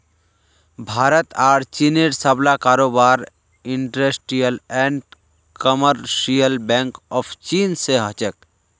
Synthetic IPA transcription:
bʱaːɾət̪aːɾt͡ʃineɾsəblakaːɾoːbaːɾ | ɪɳʈɾesʈijəlɛ̃ɳʈ | kəməɾʃijəlbɛ̃ŋkɔːpʰt͡ʃiːnseɦət͡ʃək̚

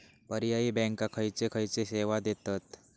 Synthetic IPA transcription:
pəɾijaibɛ̃ŋkakʰəjt͡sekʰəjt͡seseʋad̪et̪at̪

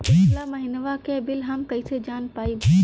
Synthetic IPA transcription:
ɪslamɐ̃ɦɪnʋakʰẽːbɪlɦɐmkɐised͡ʒaːnpaːib

